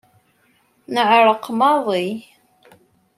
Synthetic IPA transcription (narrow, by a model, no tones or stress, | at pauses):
nəʕɾˤəqːmɑðˤi